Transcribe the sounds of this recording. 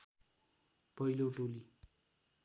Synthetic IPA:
pʌiloʈoli

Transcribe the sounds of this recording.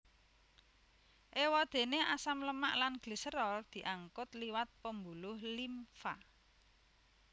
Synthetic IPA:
ʔewɔd̪̥e̤neasamləmaʔlanɡ̥li̤səɾɔld̪̥i̤ʔaŋkʊt̪liwat̪̚pəmbulʊhlimfa

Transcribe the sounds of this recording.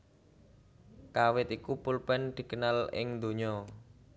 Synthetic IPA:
kawɪt̪ikupulpɛnd̪̥i̤kənalɪ̰ŋd̪o̤ɲɔ

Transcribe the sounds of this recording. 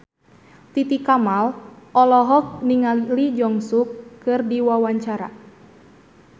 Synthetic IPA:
t̪it̪ikamalʔɔlɔɦɔk̚niŋalid͡ʒɔŋsukːɨrdiwawaɲt͡ʃaɾa̰

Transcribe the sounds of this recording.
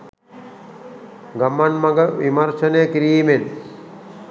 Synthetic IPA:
ɡɐmːɐnmɐɡəʋimɐrʃɐnejəkiɾiːmen

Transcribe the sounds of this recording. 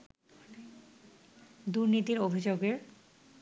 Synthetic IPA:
d̪uɾnit̪iɾobʱid͡ʑoɡeɾ

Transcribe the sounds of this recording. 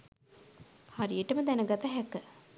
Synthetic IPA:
haɾijeʈəməd̪ænəɡat̪əɦɛkə

